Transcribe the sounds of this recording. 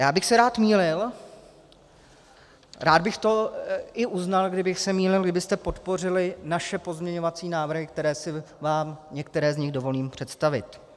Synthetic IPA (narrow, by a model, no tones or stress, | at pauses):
jaːbɪxsɛɾaːt̪miːlɪl | ɾaːd̪bɪxt̪o̞ɪʔuznalɡdɪbɪxsɛmiːlɪlɡdɪbɪst̪ɛpo̞t̪po̞r̝ɪlɪnaʃɛpo̞zmɲɛɲo̞vat͡siːnaːvr̩ɦɪk̚t̪ɛɾɛːsɪvaːmɲɛkt̪ɛɾɛːzɲɪɣdo̞vo̞liːmpr̝̥ɛt̪st̪avɪ̰t̪